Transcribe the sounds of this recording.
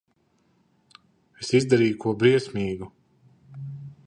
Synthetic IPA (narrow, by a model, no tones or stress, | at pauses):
esizd̪aɾiːjukuɔbɾiɛsʲmʲiːɡu